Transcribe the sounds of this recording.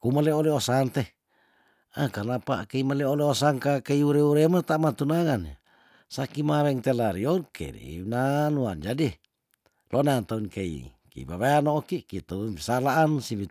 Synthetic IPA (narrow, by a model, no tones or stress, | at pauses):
kumaleoleosant̪e | akanapa̰keimaleoleosaŋkakeiuɾeuɾemat̪amat̪unaŋan | sakimaɾɛŋt̪elaɾiorkḛɾḭnanuand͡ʒadi | lʔonant̪aunkeḭ | kḛḭβaβeanoːkikit̪aunpi̥salaʔansiβi